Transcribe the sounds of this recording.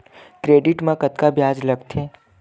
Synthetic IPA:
kɾeːɖɪʈmãkɐt̪kabjaːd͡ʒlɐɡt̪ʰeː

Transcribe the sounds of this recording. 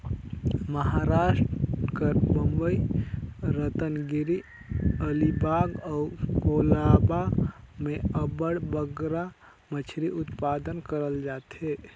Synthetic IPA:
məɦaɾaʃʈkəɾbəmbəi | ɾət̪ənɡiɾi | əlibaɡaukolaba | meəbəɽbəɡɾa | mət͡ʃʰɾiʔut̪pad̪ənkəɾəld͡ʒat̪e

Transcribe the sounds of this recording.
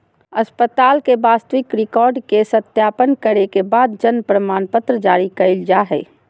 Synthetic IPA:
ɐspət̪aːlkebaːst̪əwɪkɾɪkɔːɾɖkesət̪jaːpənkəɾekebaːd̪d͡ʒənpɾəmaːnpət̪ɾəd͡ʒaːɾikɐɪld͡ʒaɦɛ̰ː

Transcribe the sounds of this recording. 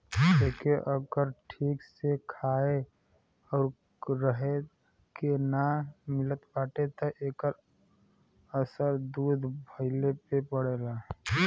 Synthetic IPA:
eːkeʔəɡəɾʈʰiːksekʰaːe | ɔːɾ | ɾəɦe | kenamɪlət̪baːʈet̪oʔeːkəɾ | əsəɾd̪uːd̪ʱbʱəɪlepepəɽeːlaː

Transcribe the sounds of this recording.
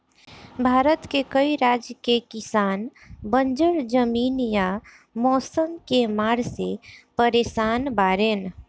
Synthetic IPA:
bʱaːɾət̪kekəiɾad͡ʒjəkekɪsaːn | bənd͡ʒəɾd͡ʒəmiːnja | mɔːsəmkemaːɾsepəɾeːsaːnbaːɾeːn

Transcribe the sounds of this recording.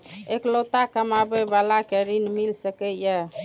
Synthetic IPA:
eklot̪akəmabebalakeɾinmilsəkeja

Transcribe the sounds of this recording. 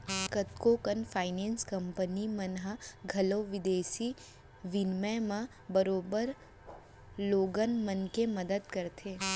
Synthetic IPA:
kət̪kokənfʰaːɪnẽːnskɐ̃mpənimɐnɦaɡʱɐloːʋɪd̪eːsi | ʋɪnmɛmã | bəɾoːbəɾ | loːɡənmənkemɐd̪əd̪kɐɾt̪ʰeː

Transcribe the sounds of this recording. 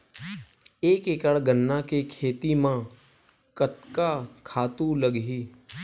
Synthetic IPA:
eːkekəɽɡənːakekʰeːt̪imã | kət̪kakʰaːt̪ũləɡɦiː

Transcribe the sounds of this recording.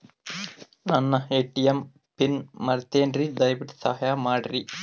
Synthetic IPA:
nɐnːɐeːʈːijɐm | pinːɐɾt̪ːeːnrid̪ɐjbiʈi̥sɐhɐjaːmaːɽɐri

